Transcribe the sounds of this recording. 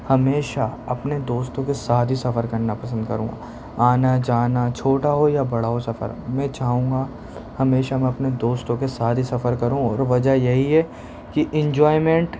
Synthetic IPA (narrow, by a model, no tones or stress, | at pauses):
hɐmeːʃaɐpned̪oːst̪õkesaːd̪ʱisɐfəɾkɐɾnapɐsə̃nd̪kɐɾṵ̃ːŋɡa̰ | aːnad͡ʒaːnat͡ʃʰoːʈaɦojabɐɽaɦosɐfə̰ɾmɛ̃t͡ʃaːɦũːŋɡa | hɐmeːʃamɛ̃ɐpned̪oːst̪õkesaːd̪ʱisɐfəɾkɐɾũɔːɾʋɐd͡ʒəjɐɦiɦɛ | kiʔɪ̃ɲd͡ʒɔːɪmẽɳʈ